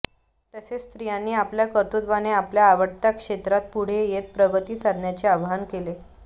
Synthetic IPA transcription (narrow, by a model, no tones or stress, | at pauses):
t̪əsest̪ɾijãnːiːapljakəɾt̪ut̪ʋaneapljaːʋəʈt̪akʂet̪ɾat̪̚puɽ̤ejet̪̚pɾəɡət̪iːsad̪njat͡ɕeabʱɦankele